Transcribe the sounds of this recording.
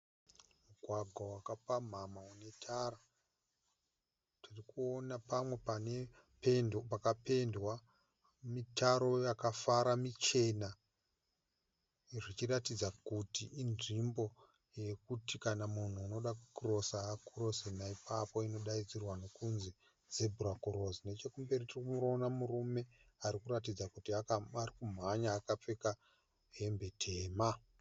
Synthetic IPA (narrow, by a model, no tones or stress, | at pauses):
muɡʱwaɡʱwawakapam̤amaune̞tʰaːra | tirikuonapamwe̞pane | penpakape̞ndwa | mitaɾo̞jakafaɾamit͡ʃe̞na | ʐit͡ʃiɾatid͡zakutiːnʐimbo̞ | je̞kutikanamun̤uːno̞ɗakukuro̞sakuro̞senaipʰapo̞ino̞ɗaid͡zirwano̞kunzi | ze̞bʱurakuɾo̞zine̞t͡ʃe̞kumbe̞ritirikumuronamurume̞ | aɾikurat̬id͡zakutiaarikum̤aɲaːkap͡fe̞ka | ɦe̞mbe̞tʰe̞ːma